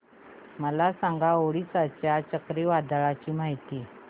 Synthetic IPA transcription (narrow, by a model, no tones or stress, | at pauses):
məlasaŋɡaoɽisat͡ɕjat͡ɕəkɾeʋad̪əɭat͡ɕiːmaɦit̪i